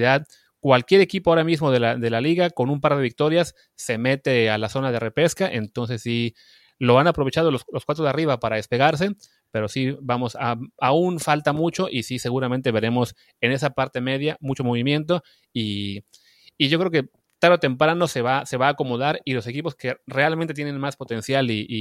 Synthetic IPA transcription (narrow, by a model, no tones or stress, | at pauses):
iðað | kwalkje̞ɾe̞kipoaoɾamizmo̞ðelaðe̞laliɣako̞numpaɾðe̞βik̚t̪o̞ɾjasː | e̞me̞t̪e̞alaso̞nað̞e̞re̞pe̞skaʔent̪o̞ns̬e̞sːi | lo̞anapɾo̞βet͡ʃað̞ololo̞skwat̪ɾoðariβapaɾaðe̞spe̞ɣaɾs̬e̞ | pe̞ɾo̞sibamo̞saaunfalt̪amut͡ʃo̞ʔisise̞ɣuɾament̪e̞βe̞ɾe̞mo̞s | e̞ne̞sapaɾt̪e̞me̞ðjamut͡ʃo̞mo̞β̞imje̞nt̪̬o̞ | i | ʝo̞kɾeo̞ke̞ | t̪aɾot̪e̞mpɾano̞seβase̞βaːko̞mo̞ð̞aɾilo̞se̞kipo̞ske̞re̞alment̪et̪jene̞nmaspo̞t̪e̞nsjaliː